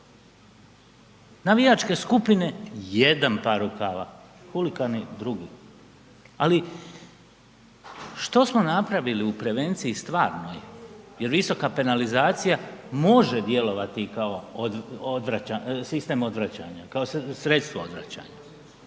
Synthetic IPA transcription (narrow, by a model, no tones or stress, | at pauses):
naʋijat͡ʃke̞skupine̞jed̪anpaɾukaʋa | xulikanid̪ɾuɡiː | ali | ʃt̪o̞smo̞napɾaʋiliupɾe̞ʋe̞nt̪sijist̪ʋaːɾno̰jeje̞ɾʋiso̞kape̞nalizaːt̪sijamo̞ʒed̪je̞lo̞ʋat̪ikao̞od̪ʋɾaasist̪e̞mo̞d̪ʋɾat͡ɕaːɲakaossɾet̪st̪ʋoo̰d̪ʋɾa̰t͡ɕa̰ːɲa